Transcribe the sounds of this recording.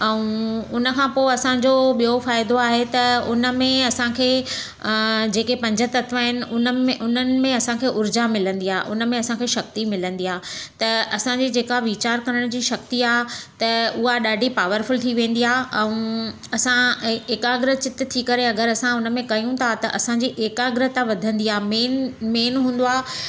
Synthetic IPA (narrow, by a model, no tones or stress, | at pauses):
ɛũʊnə̆kʰãːpoːɪɐsãɲd͡ʑoɓijofaːɪd̪oaːɦet̪ɐʊnə̆mẽɐsãkʰeː | d͡ʑeːkepɐ̃ɲd͡ʑət̪ɐt̪ʰʋaɦɪnɪ̆ʊnəeʔʊnənɪ̆mẽɐsãkʰeːʔʊɾd͡ʑamɪlə̃nd̪iaːɦeʔʊnə̆mẽɐsãkʰeːʃɐk̚t̪imɪlə̃nd̪iaːt̪ɐɐsãd͡ʑiːd͡ʑeːkaʋit͡ɕaːɾkɐɾəɽ̃d͡ʑiːʃɐk̚t̪iaːɦt̪ɐʊɦaɗaːɖʱipaːʋəɾfʊlt̪ʰiʋẽːn̆d̪iaːʔɛ̃ | ɐsãeːkaːɡɾət͡ɕɪt̪t̪ʰikɐɾeɐɡəɾɐsãʊnəmẽkɐjũt̪ʰat̪ɐʔɐsãɲd͡ʑiʔeːkaːɡɾət̪aʋɐd̪ʱə̃nd̪iaːɦmeːnmeːnɦũːn̆d̪oaː